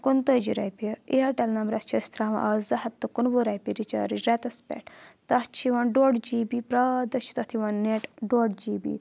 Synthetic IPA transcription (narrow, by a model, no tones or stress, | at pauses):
kunt̪oːd͡ʒiɾɐ̰jpiɐiɐʈɐlnɐmɾɐt̪t͡ʃʰɐst̪ɾaːʋɐ̰ʔɐzɐɦɐt̪ːɐkunboɾɐjpiɾit͡ʃa̰ːɾid͡ʒɾet̪ɐspḛʈt̪ɐht͡ʃʰiʋɐnɖoːɖd͡ʒiːbipɾad̪ɐt͡ʃʰu̥t̪ɐt̪ʰiʋɐnːeʈɖoːɖd͡ʒiːbḭ